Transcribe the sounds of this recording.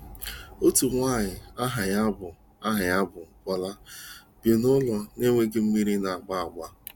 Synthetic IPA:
o˦tu˨ŋʷa˦˨ɲɪ˨a˦ɦa˨ɲa˦bʊ˨ | a˦ɦa˨ɲa˦bʊ˨kʷa˨la˦ | b̥je˨nʊ˦lɔ˦ne˦ŋʷe˦ɡɪ˦m̩˦mi˦ɾi˦na˨a˨ɡ͡ba˦a˨ɡ͡ba˦

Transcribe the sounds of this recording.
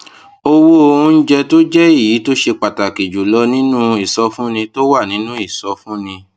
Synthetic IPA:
o˧wo˦o˧hũ˧n̩˦d͡ʒɛ˧to˦d͡ʒɛ˦i˦˨ji˨˦to˦ʃe˧k͡pa˨ta˨ki˨d͡ʒu˨lɔ˧˦nĩ˦nũ˦i˦˨sɔ˨˦fũ˦nĩ˧to˦wa˦˨nĩ˨˦nũ˦i˦˨sɔ˨˦fũ˦nĩ˧

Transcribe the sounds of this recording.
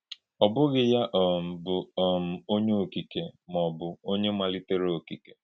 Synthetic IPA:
ɔ˨bʊ˦ɣɪ˨ja˦ʔɔ˨m̩˨bʊ˨m̩˨o˦ɲe˦o˨ki˨ke˨mɔ˨bʊ˨o˦ɲe˦ma˨lɪ˦te˦ɾe˦o˨ki˨ke̥˨

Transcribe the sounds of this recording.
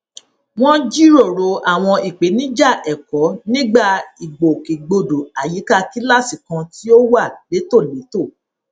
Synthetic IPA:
w̃ɔ̃˦d͡ʒi˦ɾo˦˨ɾo˧˨a˨w̃ɔ̃˧i˨k͡pe˨˦nĩ˨˦d͡ʒa˦˨ʔɛ˨kɔ˨˦nĩ˦ɡ͡ba˦˨i˨ɡ͡bo˨ke˨ɡ͡bo˧do˨a˨ji˨˦ka˦ki˦la˦si˦˨kã˧ti˦o˦wa˦˨le˨˦to˦˨le˨˦to˦˨

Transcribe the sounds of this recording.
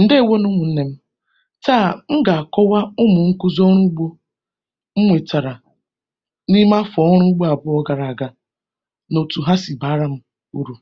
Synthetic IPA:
n̩˨de˦e˨wo˦nʊ˦ŋʷʊ˨n̩˦ne˦m̩˦ | taː˦˨m̩˦ɡa˨a˨kɔ˦wa˦ʊ˦mʊ˨ŋ̩˦kʊ˦zɔ˦ɾ̃ʊ˦ɡ͡bo˦ | m̩˦ŋʷe˨ta˨ɾa˨ | ni˦ma˦fɔ˨ɔ˦ɾ̃ʊ˦ɡ͡bo˦a˨bʊ˦ɔ˦ɡa˨ɾa˨a˨ɡa˨ | no˨tu˨ɦa˦si˨ba˨˦ɾa˦m̩˦ | u˦ɾu˨

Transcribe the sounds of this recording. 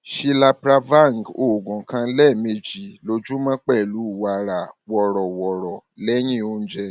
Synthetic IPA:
ʃi˧la˧pɾa˧va˦˨ŋ˨ɡo˨ɡɔ̃˨kã˧˦lɛ˦˨me˧d͡ʒi˨lo˧d͡ʒu˦mã˦k͡pɛ˦˨lu˨˦˨wa˨ɾa˨wɔ˨ɾɔ˨wɔ˨ɾɔ˨lɛ˦j̃ĩ˦o˧ñ̩˦d͡ʒɛ˧

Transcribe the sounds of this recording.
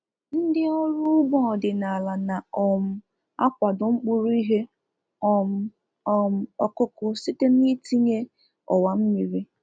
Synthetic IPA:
n̩˦dɪ˦ɔ˦ɾʊ˦ʊ˦ɡ͡bɔ˦˨dɪ˨na˨la˨na˨ɔ˨m̩˦ | a̰˦kʷa˨dʊ˨ŋ͡m̩˦k͡pu˦ɾu˦i˦ɦe˦ | ɔ˨m̩˦ | ɔ˨m̩˦˨ɔ˦kʊ˦kʊ˦si˦te˦m̩˦i˦ti˦ɲe˦ | ɔ̰˨wa˨m̩˦mi˨ɾi˦

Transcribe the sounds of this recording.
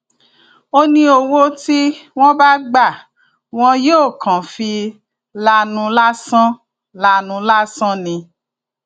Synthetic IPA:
o˧nĩ˧o˨wo˧ti˦w̃ɔ̃˦ba˦ɡ͡ba˦˨ | w̃ɔ̃˦joː˦˨kʰã˨fi˧ | la˧nũ˧la˦sã˦ | la˧nũ˧la˦sã˦nĩ˧

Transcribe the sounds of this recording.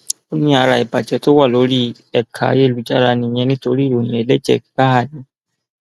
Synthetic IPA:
o˦nĩ˧˦a˧ɾa˨ɛ˨ba˨d͡ʒɛ˨to˦wa˦˨lo˨˦ɾi˦ | ɛ˨kʰa̰˨˦je˦˨lu˨d͡ʒa˦˨ɾa˧nĩ˧˨ɲɛ̃˧nĩ˦to˧ɾi˦˨ɾo˨nĩ˨e˨˦lɛ˦d͡ʒɛ̰˨kka˦ɦa˦˨nĩ˨˦

